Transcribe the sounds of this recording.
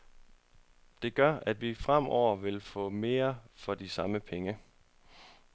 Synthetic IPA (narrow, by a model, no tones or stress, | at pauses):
d̥e̝ɡ̥ɶɐʔæd̥ʋifʁam̰ɒʊ̰ɐʋe̝lfɔ̰̽ːme̝ːɐfɒ̽d̥isɑ̈məpʰeŋə